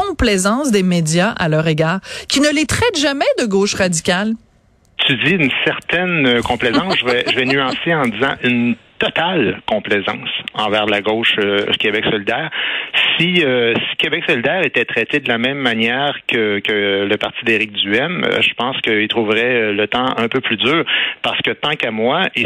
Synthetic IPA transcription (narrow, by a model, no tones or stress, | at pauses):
ɔ̃plɛzɑ̃sd̪emed̪jaʔa̰lœʁeɡaːʁkʲinəlet̪χɛt̪ʒamɛd̪əɡoːʃʁad̪ikʲal | t̪yd̪iynsɛʁt̪ɛnøkɔ̃plɛzɑ̃sʒəvɛʒəvɛnyɑ̃seɑ̃d̪izɑ̃ʔynt̪ɔt̪alkɔ̃plɛzɑ̰̃ːsɑ̰̃vɛːʁlaɡoʊʃøkʲebɛksɔlid̪ɛːʁsiøsi̥kʲebɛksɔlid̪ɛːʁet̪ɛt̪ʁɛt̪ed̪əlamɛ̃mːanjɛːʁkʰəkələpaʁt̪id̪eʁɪk̚d̪yɛm̰ʒəpɑ̃skəilt̪ʁuvʁɛølət̪ɑ̃ɛ̃pøplyd̪yːʁpaʁsə̥kət̪ɑ̃kamwai